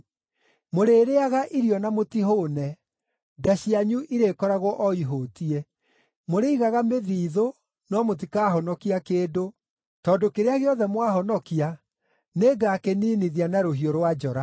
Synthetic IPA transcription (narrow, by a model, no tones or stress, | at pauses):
moɾeːɾeaɣaʔiɾiɔnamotiɦoːnɛ | daɕiaɲuʔiɾekɔɾaɣɔʔɔiɦoːtiɛ | moɾeiɣaɣameðiːðo | nɔmot̬ikaːɦɔnɔkiakeːdo | tɔːdokeɾeaɣeɔðɛmwaɦɔnɔkia | neɡakeniːniðianaɾoɦioɾwad͡ʒɔɾa